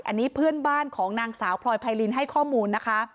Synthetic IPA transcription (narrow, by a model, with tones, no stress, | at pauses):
ʔa̰˧nːiː˦˥pʰɯ˥˩ənbaː˥˩nkʰɔː˩˦ŋnaː˧ŋsaː˩˦wpʰlɔː˧jpʰaː˧jli˧nɦa˥˩jkʰɔː˥˩muː˧nːa˦˥kʰa˦˥